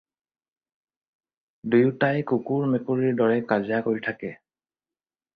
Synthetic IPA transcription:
dujʊtajkukuɹmekuɹiɹdɔɹɛkazijakoɹitʰakɛ

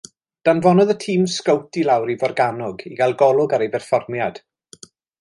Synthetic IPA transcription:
d̥anvɔnɔðətʰiːmskəwtilˠawɾivɔrɡanɔɡiɡalˠɡɔlˠʊɡaɾejbɛrfɔrmjad̥

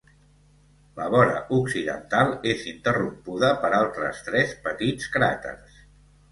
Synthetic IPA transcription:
ləβɔɾə̰ʔuksiðə̰nt̪alˠezint̪ərumpuðəpəɾalˠt̪ɾə̰st̪ɾɛspət̪it͡skɾat̪ə̰rs

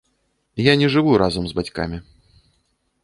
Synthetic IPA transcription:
janʲɛʐɨvuɾazɐmzbat͡sʲka̰mʲi

